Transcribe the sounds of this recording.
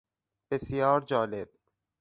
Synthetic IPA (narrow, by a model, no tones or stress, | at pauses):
b̥esjɒːɾd͡ʒɒːleb̥̚